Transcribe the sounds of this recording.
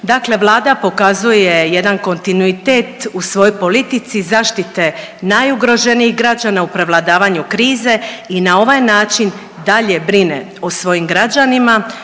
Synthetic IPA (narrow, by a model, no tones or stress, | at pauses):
d̪aːkle̞ʋlˠaːd̪apo̞kazuje̞je̞d̪anko̞nt̪inuit̪e̞t̪usʋo̞jojpo̞lit̪it̪sizaːʃt̪it̪enajuɡɾo̞ʒe̞niiɣɡɾad͡ʑanaupɾe̞ʋlˠad̪aːʋaɲukɾiːze̞inao̞ʋajnaːt͡ʃin | d̪aʎe̞bɾine̞̰ | osʋo̞jimɡɾad͡ʒanima